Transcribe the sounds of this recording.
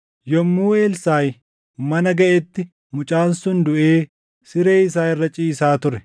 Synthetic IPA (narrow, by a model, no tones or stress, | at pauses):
jɔmːuːeːlsaːj | mɐnɐɡɐʔɛt̪ːɪ | mʊt͡ʃʼaːnsʊnd̪ʊʔe̞ː | sɪɾe̞ːɪsaːɪrːɐt͡ʃʼiːsaːt̪ʊɾɛ